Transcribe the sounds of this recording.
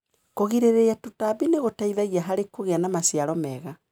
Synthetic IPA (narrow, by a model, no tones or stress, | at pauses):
koɣiɾeɾeatutaβineɣotaiðaɣiaɦaɾekoɣeanamasiaɾɔmɛɣa